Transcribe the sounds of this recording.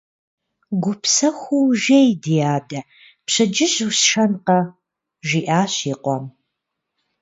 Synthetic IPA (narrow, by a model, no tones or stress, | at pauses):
ɡʷʊpʰsɐxʷuwʒejdijaːdɐ | pɕɐd͡ʒɪʑusʃɐnqɐ | ʒʷiːʔaːɕiːqʷɔm